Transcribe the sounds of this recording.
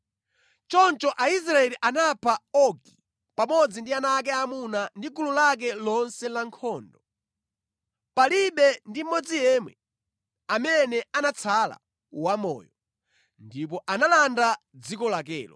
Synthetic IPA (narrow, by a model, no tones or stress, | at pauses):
t͡ʃɔnt͡ʃɔʔais̬ɾaɛliʔanapʰaɔki | pamɔd͡zindianak̬ɛamunandikululak̬ɛlɔnsɛlaŋkʰɔːndɔ | paliɓɛndim̩mːɔd͡zijɛmwɛ | amɛnɛanat͡sʰala̰ | wamɔ̰ːjɔ | ndip̬ɔʔanalanda | d͡zikɔlak̬ɛ̰ːlɔ